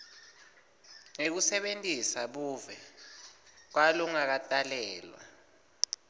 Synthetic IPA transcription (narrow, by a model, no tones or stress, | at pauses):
ŋek̬usɛɓentʼisaɓuːvɛ | k̬waluŋak̬atʼalɛːlwa̰